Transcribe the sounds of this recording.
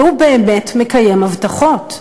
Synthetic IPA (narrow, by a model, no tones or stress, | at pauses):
ubeːmetmekaje̞mhavtaχo̞t